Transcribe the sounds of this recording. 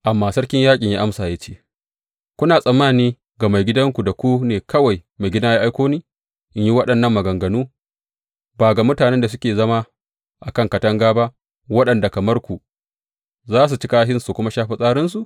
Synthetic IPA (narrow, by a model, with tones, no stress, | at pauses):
ʔa˨mːaː˦sɐ˦ɽkʲɪ˦ɲjaː˦kʲʼɪ˨ɲjaː˦ʔa˦msaː˨je˦t͡ʃeː˦ | kʷʊ˦naː˨sʼɐ˨mːaː˦˨niː˦ | ɡa˨ma˨jɡʲɪ˦dɐ˦ŋkʷu˨da˨kʷu˦neː˨kɐ˦wa˨jma˨jɡʲɪ˦daː˦jaː˦ʔa˦jkʷoː˦niː˦ | ʔɪ˦ɲji˦wɐ˦ɗɐ˨nːɐ˦˨mːɐ˨ɡɐ˨ŋɡɐ˨nuː˦ | baː˨ɡa˨mʊ˦taː˨nɛ˦nda˨s̬ʊ˦kʲeː˨zɐ˦ma˦ | ʔa˨kɐ˦ŋkɐ˨tɐ˦ŋɡaː˦ba˦ʔ | wɐ˦ɗɐ˨nda˨kɐ˨mɐ˦rkʷu˨ | zaː˦s̬u˨t͡ʃɪ˦kaː˦ɦɪ˦nsu˨kʷʊ˦ma˦ʃaː˦ɸi˦sʼaː˦ɾɪ˦nsu˨ʔ